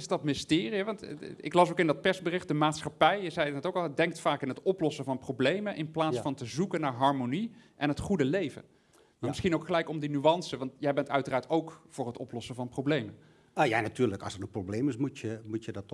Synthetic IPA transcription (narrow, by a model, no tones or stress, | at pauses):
ɪsdɑtmɪstɪːriɦɛʋɑntɪ̰klɑsokɪndɑt̚pɛɹsbərɪχt̚dəmaːtsχɑpɛjjəzɛjnɛtokɑlˠdɛŋk̚tfaːkɪnɦətɔplɔsəvɑnprowblejmənʔɪnplaːssfɑntəzukənːaːɹɦɑɹmoniʔɛnɦətχudəlejvə̰n | amɪsχinowkχəlɛjkɔmdinyɑnsəʋɑntjɛjbɛntœɥtəraːɹtowkvʊːɹrɦətɔplɔsəvɑnprowblejmə | əja̰natyːɹləkɑ̰lsətənprowbleːmɪsmutəmutjədɑt